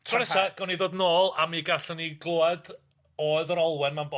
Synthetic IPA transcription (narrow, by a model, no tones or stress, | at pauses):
tʰrɔnɛsaɡ̥ɔniðoːdnoːlˠamiːɡaɬəniɡlˠoːad | oːɨðɔɾɔlˠwɛnmanbo